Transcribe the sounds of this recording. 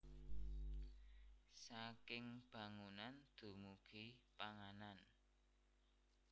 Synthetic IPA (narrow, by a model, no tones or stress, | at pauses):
sakɪŋb̥ä̤ŋunand̪̥o̤muɡ̥i̤paŋanan